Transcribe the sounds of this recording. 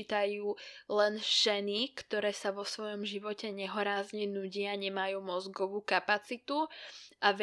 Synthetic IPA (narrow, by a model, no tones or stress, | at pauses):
it̪ajuːlɛnʒ̥ɛnikt̪ɔɾɛːsaʋɔsʋɔjɔmʒiʋɔcɛɲɛɦɔɾaːzɲɛnuɟɪaɲɛmajuːmɔzɡɔʋuːkapat͡sit̪uʔaʋ